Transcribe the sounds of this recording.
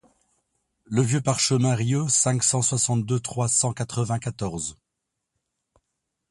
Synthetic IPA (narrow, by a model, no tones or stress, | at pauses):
ləvjøpaʁʃəmɛ̃ʁjosɛ̃ksɑ̃swasɑ̃t̪̚d̪øt̪χwasɑ̃kat̪χəvɛ̃kat̪ɔʁz